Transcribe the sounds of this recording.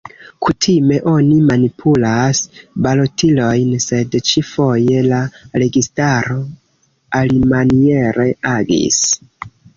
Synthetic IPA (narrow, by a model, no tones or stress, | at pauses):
kʰutʰime̞ʔo̞nimanipʰulasbalo̞tilo̞jnse̞dt͡ʃifo̞je̞laɾe̞ɡistaɾo̞ | alimanie̞ɾe̞ʔaɡḭs